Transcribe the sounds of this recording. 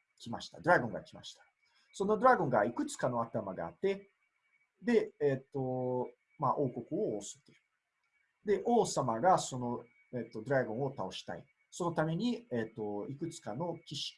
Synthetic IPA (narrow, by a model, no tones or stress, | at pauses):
kʲimaɕi̥t̪ad̪oɾaɡõ̞ŋɡa̰kʲima̰ɕi̥t̪ḁ | so̞no̞d̪oɾaɡõ̞ŋɡaikɯ̟t͡sɨ̥kano̞at̪amaɡa̰a̰t̪ːe̞ | d̪e̞eːt̪ːo̞ | maʔo̞ːko̞kɯ̟o̞oːsɨ̥t̪e | d̪e̞ʔoːsamaɡaso̞no̞ | et̪ːo̞d̪oɾaɡõ̞ɰ̃o̞t̪ao̞ɕi̥t̪a̰ḭ | so̞no̞t̪ame̞ɲ̟iet̪ːo̞ikɯ̟t͡sɨ̥kano̞kʲiɕi̥